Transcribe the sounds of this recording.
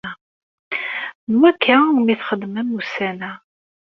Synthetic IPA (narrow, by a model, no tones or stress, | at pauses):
nwækʰːamiθχəd̪mæmːusænæ